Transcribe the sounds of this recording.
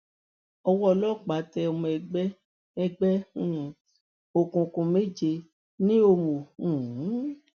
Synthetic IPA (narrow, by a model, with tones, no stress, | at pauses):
ɔ˧wɔ˦˧lɔ˦˨k͡pa˨˦tɛ˧o˧mũ˧ɛ˧ɡ͡b | ɛ˧ɡ͡bɛ̃˦˨ | o˨kũ˨˧kũ˧me˦˨d͡ʒe˧ | nĩ˦o˧mo˨ũ˦˨˦